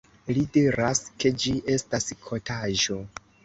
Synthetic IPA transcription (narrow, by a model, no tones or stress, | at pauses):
lide̞ɾaske̞d͡ʒiʔe̞staskʰo̞taʒo̞